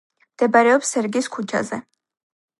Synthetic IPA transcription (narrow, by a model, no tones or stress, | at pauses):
md̪̥ɛbaɾɛɔpsɛɾɡiskʰut͡ʃʰa̰zɛ